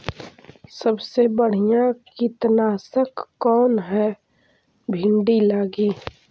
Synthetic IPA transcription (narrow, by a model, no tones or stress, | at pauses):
səbsebəɽ̤ijãkit̪naːsəkːɔːnɦɛː | bʱɪ̃ɳɖilaːɡiː